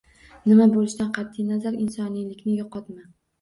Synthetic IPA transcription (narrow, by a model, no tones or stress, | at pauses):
nɪmabolɪʃt̪ʲanqʰɑt̪ʰːɪjnazaɾɪnsɒnijlɪkʲnɪjoqʰɒt̪ma